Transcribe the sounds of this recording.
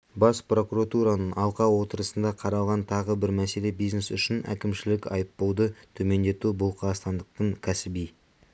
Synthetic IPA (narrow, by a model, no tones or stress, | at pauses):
bɑspro̞kuɾat̪uɾanəɴʔɑlˠqɑwo̞t̪əɾəsənd̪ɑqʰɑɾɑlˠʁɑnt̪ʰɑʁəbɪɾmæse̞le̞bijzne̞sʏʃɪnæ̰kʲɪmʃɪlɪkʲɑ̰jəpːowd̪ət̪ʰɵme̞nd̪e̞t̪ubʊlˠqʰɑst̪ɑnd̪əq̚t̪əɴkʲʰæsɪbij